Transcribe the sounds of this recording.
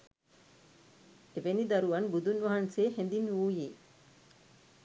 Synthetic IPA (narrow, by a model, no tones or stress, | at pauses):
eʋenid̪ɐɾuʋɐnbud̪unʋɐɦɐnseːhend̪inʋuːjeː